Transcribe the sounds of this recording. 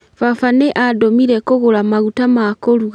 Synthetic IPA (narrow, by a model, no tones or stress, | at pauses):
fafaneʔadomiɾɛkoɣoɾamaɣutamakoɾuɣ